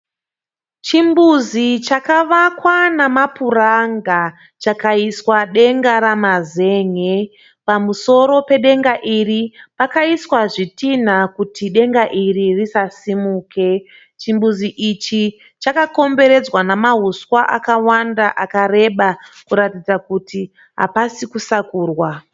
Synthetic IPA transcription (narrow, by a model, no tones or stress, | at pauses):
t͡ʃimbuzit͡ʃakaʋakwanamapuraŋɡa | t͡ʃakaiswaɗe̞ŋɡaɾamaze̞ːŋe | pamuso̞ɾo̞pe̞ɗe̞ŋɡaʔiripakaiswaʐitin̤akutʰiɗe̞ŋɡaʔiririsasimuːkʰe̞ | t͡ʃimbuziʔit͡ʃi | t͡ʃakako̞mbe̞ɾe̞d͡zwanamaɦuswaʔakawandaʔakare̞ɓakuɾatid͡zakuti | ɦa̰pasikusakuːrwa